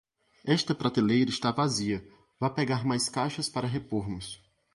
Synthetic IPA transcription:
ɛst̪ɐpɾat̪elejɾɐɪst̪avaziɐ | vapeɡaɾmajskajʃɐspaɾɐɦepoɾmʊs

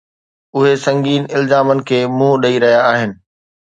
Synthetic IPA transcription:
ʊɦesɐ̃ŋɡiːnɪlzaːmənɪ̆kʰeːmũːɗɐiɾɐɦijaːɦɪnɪ̆

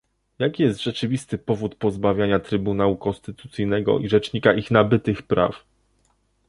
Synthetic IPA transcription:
jakʲijɛst̪ʐɛt͡ʂɘvʲist̪ɘpɔvut̪pɔzbavʲjaɲat̪ɾɘbunawukɔnst̪ɘt̪ut̪sɘjnɛɡɔ̰ʔiʐɛt͡ʂɲikaʔixnabɘt̪ɘxpɾa̰f

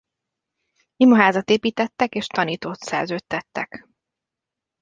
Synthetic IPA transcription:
imɒɦaːzɒt̪eːpiːt̪ɛt̪ːɛkeːʃt̪ɒniːt̪oːt̪sɛrzøːt̪ːɛt̪ːɛk

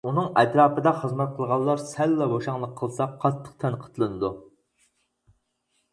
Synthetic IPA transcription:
unɨŋɛt̪ɾɑːpəd̪ɑχəzmɛt̪̚qʰəlˠʁɑlˠːɑɾsɛlːɛboʃɑŋlˠəqʰːəlˠsɑqʰːɑt̪ʰːə̥q̚t̪ʰɛnqʰə̥t̪ʰlˠɨnɨd̪u

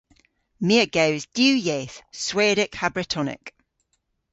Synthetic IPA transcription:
miəɡ̥ewzd̥jʉːjeːθsweːɾɪkhabɹɪtʰɔnɪ̰k

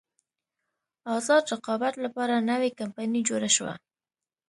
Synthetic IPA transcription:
ɑzɑd̪ɾaqɑbat̪lapɑɾanawekampanid͡ʒoɾaʃwa̰

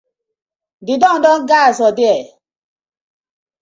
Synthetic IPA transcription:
dɪdɔn̩dɔŋ̩ɡasɔdɪɛ

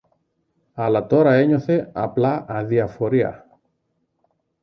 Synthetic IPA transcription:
ɐlɐt̪o̞ɾɐe̞ɲo̞θe̞ɐ̰plɐɐðiɐfo̞ɾiɐ̰

